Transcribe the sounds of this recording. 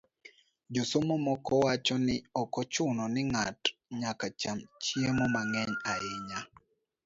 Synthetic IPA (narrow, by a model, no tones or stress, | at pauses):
d͡ʒosomomɔkɔwat͡ʃɔnɪɔkɔt͡ʃʊnɔnɪŋatɲakat͡ʃamt͡ʃjemɔmaŋɛɲaɪɲa